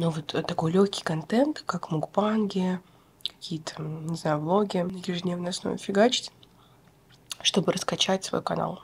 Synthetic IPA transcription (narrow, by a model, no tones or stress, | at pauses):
novot̪ʰt̪ːɐko̞jlʲoçʲkʲɪ̥jkɐnt̪ɛnt̪kakmʊɡpanɡʲɪ | kɐ̥kʲijət̪ʰə̥nʲɪznajʊvlˠoɡʲɪjɪʐɨdʲnʲevnɪɐsno̰vʲɪfʲɪɡat͡ɕɪ̥t̪ʲ | ʂt̪o̞bɨɾəskɐt͡ɕætʲsv̥ɐ̰jukɐna̰lˠ